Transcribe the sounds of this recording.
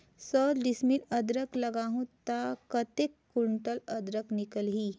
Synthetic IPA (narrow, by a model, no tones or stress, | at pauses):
səlɖɪsmilɐd̪ɾəklɐɡaːɦũt̪akət̪ekːuɳʈəlɐd̪ɾəknɪkəlɦiː